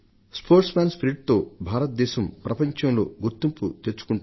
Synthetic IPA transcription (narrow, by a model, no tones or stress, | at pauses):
spʰo̞ːɾʈsmaːnspʰɾiʈ̚t̪o̞ːbʱaːɾɐt̪̚d̪ɛːʃɐmpɾɐpɐɲt͡ʃɐmlo̞̰ːɡuɾt̪ːimput̪eɾt͡ʃːu̥kuɳʈ